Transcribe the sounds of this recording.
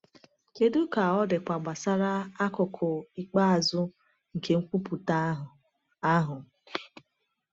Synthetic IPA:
ke˦du˦ka˨ɔ˦dɪ˨kʷa˨ɡ͡ba˨sa˦ɾa˦a˦kʊ˨kʰɔ˨i˦k͡pa˦a˨zʊ˦ | ŋ̩˨ke˨ŋ̩˦kʷu˦pu˨ta˦ | a˦ɦʊ˨

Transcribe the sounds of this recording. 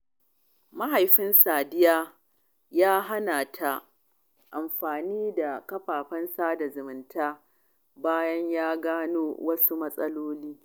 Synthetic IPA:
ma˦ɦa˨jɸɪ˦nsaː˨dɪ˦jaː˦ | jaː˦ɦa˦naː˨tʰa˨ | ʔa˨mɸaː˨niː˦da˨kɐ˦ɸaː˨ɸɐ˦nsaː˦da˨zʊ˨mɪ˨ntʰaː˦ | baː˦jɐ˦ɲjaː˦ɡaː˦noː˦wɐ˦su˦mɐ˦sʼɐ˦loː˦liː˦

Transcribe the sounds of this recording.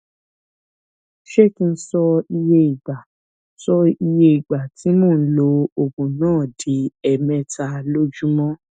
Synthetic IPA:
ʃe˦ki˦˧n̩˦sɔ˧i˧je˧i˨ɡ͡ba˨˦ | sɔ˧i˧je˧i˨ɡ͡ba˨ti˨˦mɔ̃˦˨n̩˦lo˧˦o˨kũ˨nãː˦˨di˨˦ɛ˨mɛ̃˧ta˧lo˦d͡ʒu˦mɔ̃˦

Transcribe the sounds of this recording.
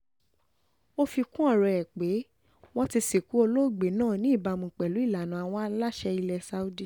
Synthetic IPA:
o˦fi˧kũ˦ɔ˦˨ɾɛ˧˨ɛ˨k͡pe˨˦ | w̃ɔ̃˦ti˧si˨ku˨˦o˧lo˦˨ɡ͡be˨˦nãː˦˨nĩ˨˦i˦˨ba˨˧mũ˨k͡pɛ˨lu˨˦i˦˨la˨nã˨˧a˧w̃ɔ̃˦a˧la˦ʃɛ˧i˧lɛ˧sa˧˦u˦di˦

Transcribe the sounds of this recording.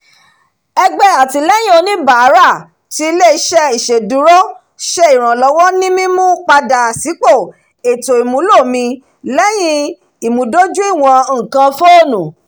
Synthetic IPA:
ɛ˧ɡ͡bɛ˦a˨ti˨˧lɛ˦jĩ˦o˧nĩ˦ba˨˦ɾa˦˨ | ti˦˧le˦˨i˧˦ʃɛ˦i˨ʃe˨dũ˨˦ɾo˦ | ʃɛ˦i˨ɾ̃ã˨lɔ˨˧˦w̃ɔ̃˦nĩ˦mĩ˦mũ˦k͡pa˧da˨si˨˦k͡po˦˨ | e˨to˨i˨mũ˨˦lo˦˨mĩ˧ | lɛ˦j̃ĩ˦˧ | i˨mũ˨˦do˦d͡ʒu˦i˦˨w̃ɔ̃˧˦˨kã˧fo˦o˦˨nũ˨

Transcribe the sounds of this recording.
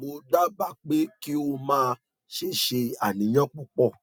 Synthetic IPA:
ɡ͡bo˧da˦ba˦˨k͡pe˨˦ki˦o˧mãː˦˧ | ʃe˦˨ʃe˧a˦˨nĩ˨˦j̃ɔ̃˦k͡pɔ˦k͡pɔ˦˨

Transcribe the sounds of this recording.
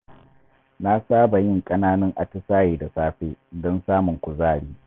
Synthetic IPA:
na˦saː˦ba˨jɪ˦˨ŋkʼɐ˦naː˦nɐ˦ŋʔa˨tʊ˦saː˦jeː˨da˨saː˦ɸeː˦dɔ˦nsaː˦mʊ˨ŋkʷʊ˨zaː˦˨ɽiː˦

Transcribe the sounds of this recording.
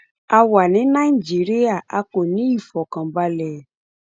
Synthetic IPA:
a˨wa˨nĩ˨˦nã˦˨i˨d͡ʒi˨˦ɾi˦a˦˨a˧ko˨nĩ˨˦i˦˨fɔ˨kã˨ba˧lɛ˨

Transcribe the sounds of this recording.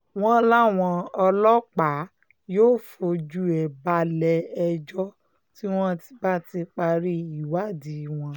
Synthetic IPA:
w̃ɔ̃˦la˦˨w̃ɔ̃˧ɔ˧lɔ˦k͡pa˨˦ | joː˦˨fo˧d͡ʒu˦ɛ˨ba˧lɛ˧ɛ˧d͡ʒɔ˦ | ti˦w̃ɔ̃˦ti̥˧ba˦˨ti˧k͡pa˧ɾi˦i˨wa˦˨di˨˦˨w̃ɔ̃˧

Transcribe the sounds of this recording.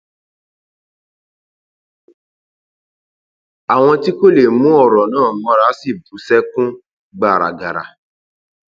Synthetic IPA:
a˨w̃ɔ̃˧ti˦ko˦le˨mũ˨˦ɔ˦˨ɾɔ˨nãː˦˨mɔ̃˨˧˦ɾa˦si˦˨bu˨˦sɛ˦kũ˦ | ɡ͡ba˨ɾa̰˨ɡa˨ɾa̰˨

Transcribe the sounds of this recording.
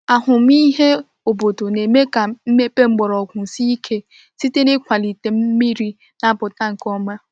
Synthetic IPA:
a˨ɦʊ˨m̩˦i˦ɦe˦ | o˨bo˨to˨ne˨me˦ka˨m̩˦me˦pe˦ŋ͡m̩˦ɡ͡bɔ˨ɾɔ˨kʷʊ˨n̩˨si˦i˦kʰe˦ | si˦te˦ne˦kʷa˨li˨te˨m̩˦mi˦ɾi˦ | na˦˨bʊ˨ta˦ŋ̩˨kɔ˦ma˦

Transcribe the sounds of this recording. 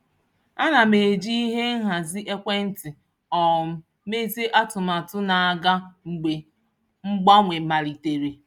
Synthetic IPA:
a˦na˨me˨d͡ʒi˦i˦ɦe˦n̩˦ɦa˨zi˦ʔe˦kʷe˦n̩˦tɪ˨ | ɔ˨ | me˦ze˦ʔa˦tʊ˨ma˨tʊ˦na˨a˨ɡa˦ŋ͡m̩˨ɡ͡be˨ | ŋ͡m̩˦ɡ͡ba˦ŋʷe˨ma˨ɾi˨te˨ɾe˨

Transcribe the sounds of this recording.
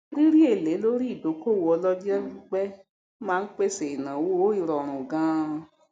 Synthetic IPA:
ɾi˦ɾi˦e˦˨le˨˦lo˦ɾi˦i˦˨do˨˦ko˦˨wo˧ɔ˧lɔ˦d͡ʒɛ˦u˦k͡pɛ˦ | mãː˦˧n̩˦k͡pe˦˨se˨i˨nã˨wo˦o˦i˦˨ɾɔ˨ɾ̃ũ˨ɡã˨˦˧

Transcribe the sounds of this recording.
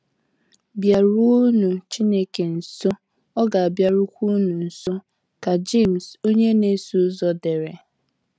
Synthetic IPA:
bja˨ɾu˦nu˨t͡ʃi˦ne˦ke˨n̩˨so˦ | ɔ˦ɡa˨a˨bja˨ɾu˦kʷu˦nu˨n̩˨so˦ | ka˨d͡ʒe˦˨m̩˨so˦ɲe˦ne˦su˦zɔ˨de˨ɾe˨

